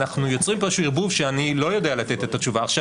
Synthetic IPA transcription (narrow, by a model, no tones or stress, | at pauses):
naχnujo̞t͡sʁimpaʃuiʁbuvʃeanilo̞jo̞de̞alat̪e̞t̪e̞t̪at͡ʃuvaːχʃa